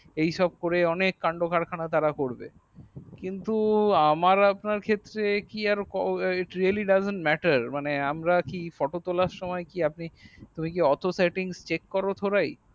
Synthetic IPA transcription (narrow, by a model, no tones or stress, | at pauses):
ejʃɔb̚koɾeɔnekːaɳɖokʰaɾkʰanat̪aɾakoɾbḛ | kint̪uamaɾapnaɾkʰet̪ːɾekiaɾkɔiʈɾialiɖazeɳʈmɛʈaɾmaneamɾakifɔʈot̪olaɾʃɔmɔekiap̚nit̪umikeɔt̪ʰoseʈiŋst͡ɕekːɔɾot̪ʰoɾaj